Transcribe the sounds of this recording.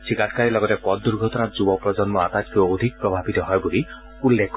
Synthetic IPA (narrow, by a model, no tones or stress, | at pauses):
sʰikatʰkaɹilɔɡɔtɛpɔt̚duɹɡʱɔtɔnatzubɔpɹɔzɔnmɔat̪atkood̪ʱik̚pɹɔbʱabit̪ɔɦɔjbuli | ulːek